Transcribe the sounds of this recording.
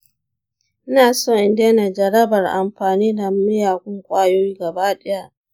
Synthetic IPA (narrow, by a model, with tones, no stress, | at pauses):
ʔɪ˦naː˨soː˦˨ʔɪ˨ndeː˦na˨d͡ʒɐ˨ɾɐ˦bɐ˨rʔa˨mɸaː˨niː˦da˨mɪ˦jaː˨kʷʊ˦ŋkʷʼaː˦joː˦jiː˦ɡɐ˨baː˦ɗɛ˦ja˦ʔ